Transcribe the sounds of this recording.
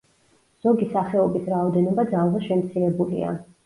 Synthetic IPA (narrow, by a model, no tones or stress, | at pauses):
z̥ɔɡisaχɛɔbisɾaɔd̪ɛnɔbad̪zalˠvaʃɛmt̪sʰiɾɛbulḭa̰